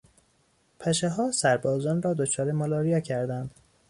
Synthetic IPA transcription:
pʰæʃeɦɒːsæɾbɒːzɒːnrɒːd̪ot͡ʃʰɒːɾemɒlɒːɾijɒːcʰæɾd̪ænd̪̥

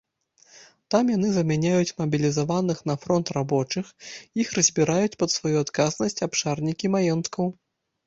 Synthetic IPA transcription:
t̪amjanɨzɐmʲanʲajut͡sʲmɐbʲilʲizavanɨxn̪ɐfɾɔnt̪rabɔt͡ʂɨxixrɐzʲbʲiɾajut͡sʲpɐt̪svajuat̪kaznɐsʲt͡sʲapʂarnʲikʲimajɔnt̪kɐw

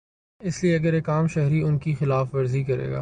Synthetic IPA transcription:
ɪslieɐɡəɾeːkaːmʃɛɦɾiʊnkixɪlaːfʋɐɾzikɐɾḛːɡa̰ː

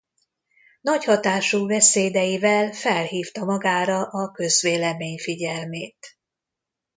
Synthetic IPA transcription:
nɒchɒt̪aːʃuːbɛseːd̪ɛjivɛlfɛlɦiːft̪ɒmɒɡaːɾɒʔɒkøzʋeːlɛmeːɲfiɟɛlmeːt̪

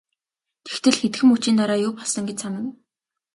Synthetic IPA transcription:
t̪ʰe̥xt̪ʰɘ̆ɮxet̪̆xɘ̆mut͡ɕiːnt̪aɾaːjʊːpɔɮsɞ̆ŋɡet͡ɕsamə̆n

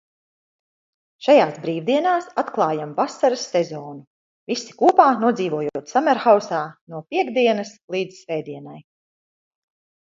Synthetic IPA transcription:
ʃajaːsbɾiːvd̪iɛnaːsat̪klˠɑːjamvasaɾəsːɛzɔːnu | visi̥kuːpaːnuɔd̪ziːvuɔjuoɔt̪samɛɾxawsaːnuɔpʲiɛɡd̪iɛnɐslˠiːd̪zsvɛːd̪iɛnaj

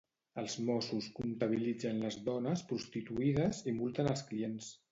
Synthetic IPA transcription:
əlˠzmɔsuskunt̪əβ̞ilid͡zənləzðɔnəspɾust̪it̪uiðəzimulˠt̪ənəlˠskliens

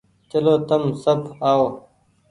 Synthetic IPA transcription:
t͡ʃɐloːt̪ɐmsɐbaːoː

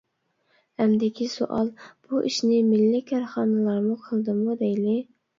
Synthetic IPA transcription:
hɛmd̪ɪkʲiso̰ʔɑ̰lˠb̥uʔiʃnɪmilːɪkʲʰɑɾχɑːnɨlˠɑɾmuqʰəlˠd̪ɨmud̪ɛjlɪ

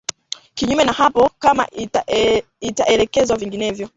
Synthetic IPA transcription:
kiɲumɛnahapɔkama̰ | itaʔɛlɛkɛzwaviŋɡinɛvjɔ

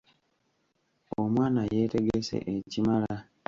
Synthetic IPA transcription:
omwaːnaje̞ːte̞ɡesḛʔecimala

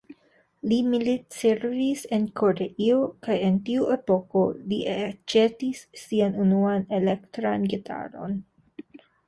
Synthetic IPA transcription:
limilitseɾvise̞nkʰo̞ɾeʔiokaje̞ntiue̞po̞ko̞liet͡ʃetisːianunuane̞lektɾanɡetʰa̰ɾo̞̰n

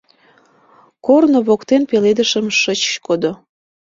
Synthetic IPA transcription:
kornoβokt̪enpeled̪əʃəmʃət͡ɕkod̪o

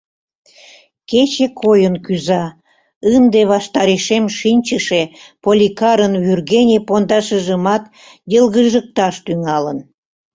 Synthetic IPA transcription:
ket͡ɕekʰojənkyzɑ | ɨnd̪eβɑʃt̪ɑɾeʃemʃinʲt͡ɕəʃepolʲikɑɾənβyrɣenʲepond̪ɑʃəʒəmɑt̪ | jəlɣəʒək̚t̪ɑʃt̪yŋɑlən

